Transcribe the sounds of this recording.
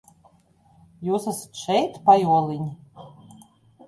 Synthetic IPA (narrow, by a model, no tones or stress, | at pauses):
juːsasʃɛjt̪pajuɔlˠinʲ